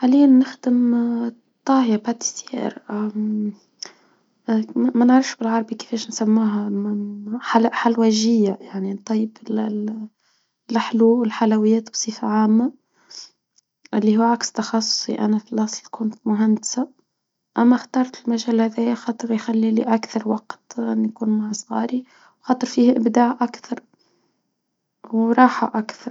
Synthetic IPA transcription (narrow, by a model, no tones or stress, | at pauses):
ʕalijːanːɪxd̪əm | t̪ˤːɑːhjabat̪sjḛʔɾ | mænəʕɾɑfʃbɪlʕɑɾˤbikɪ̥fɛːʃnsæmːuːɦæ | ħalħalwæʒɪjːajaʕnint̪ˤːɑjːəbɪl | lʔaħluːwɪlħalæwɪjːæːt̪bsˤiːfaʕaːmːa | ʔɪlːihuːʕakst̪ɑxɑsˤːʊ̥sˤḭʔæ̰næfɪlʔɑsˤlkʊnt̪mʊɦand̪sa | ʔæmːæxt̪ɑːɾˤt̪ɪlmæʒæːlhæðæjaxɑːt̪ˤɨɾˤjxalːiliʔakθɑɾˤwɑqt̪nːjkuːnmaʕsˤɣɑ̰ːɾi | wxɑːt̪ˤɨɾˤfiːhʔɪbd̪aːʕʔakθɑɾˤ | wɾˤɑːħa̰ʔakθɑɾˤ